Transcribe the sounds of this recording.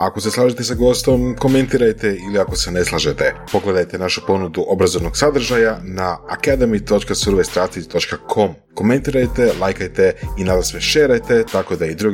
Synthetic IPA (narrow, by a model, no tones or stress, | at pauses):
ako̞se̞slˠaːʒet̪esaɡo̞st̪o̞mko̞me̞nt̪iɾajt̪eiliako̞sene̞slˠaʒet̪e̞po̞ɡle̞d̪ajt̪enaʃu̥po̞nud̪uʔo̞bɾazo̞ʋno̞ɡ̥sad̪r̩ʒajanaːkad̪emit̪o̞t͡ʃkasuɾʋest̪ɾat̪it̪o̞t͡ʃkakʰo̞m | ko̞me̞nt̪iɾajt̪e̞lˠajkajt̪e̞inad̪asʋeʃeːɾajt̪e̞t̪ako̞d̪aid̪ɾuɡ